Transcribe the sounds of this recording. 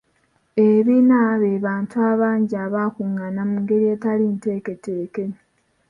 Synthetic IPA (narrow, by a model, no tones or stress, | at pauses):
eβinaβeβaːntuaːβaːɲɟiaːβakuŋanamuŋɡe̞ɾie̞ːtalinte̞ːke̞teke